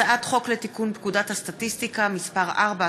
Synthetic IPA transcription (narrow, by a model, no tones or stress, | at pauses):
aʔat̪χo̞klet̪ikunpkudathast̪atist̪ikamispaʁʔaʁba